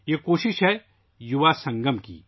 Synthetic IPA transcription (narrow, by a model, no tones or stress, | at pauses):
jekoːʃɪʃɦɛ | juʋasɐ̃ŋɡəmkḭː